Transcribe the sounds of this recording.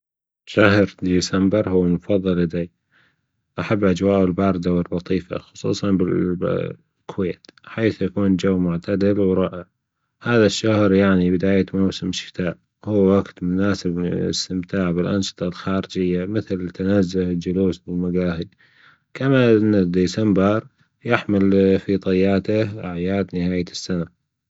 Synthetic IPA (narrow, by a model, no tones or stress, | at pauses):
ʃaɦɾd̪iːsambɪɾhʊwːmʊfɑðˤːɨlʔɪd̪aj | ʔaħabːʔad͡ʒwaːʔɪlbɑːɾˤd̪awɪlːɑt̪ˤiːfa̰xʊ̥sˤṵːsˤɑnbɪ | kʊweːt̪ħaːθjakuːnd͡ʒawːmʊʕt̪ʰad̪ɪlwɾˤɑːʔɪʕ | haːðaʃːahɾjaʕnibɪd̪aːjamawsɪmʃɪ̥t̪aːʔ | huːwaɡt̪mʊnaːsɪbɪ̰st̪ɪmt̪aːʕbɪlʔɑnʃɨ̥t̪ˤɑlxaːɾɪd͡ʒɪjːamɪθlt̪anazːʊhɪld͡ʒʊluːsbɪlmaɡaːhɪd̪ | kamaʔɪnːad̪iːsambɑɾˤ | jɪħmɪlfit̪ˤɑjːaːt̪aʔaʕjaːd̪nɪhaːjasːana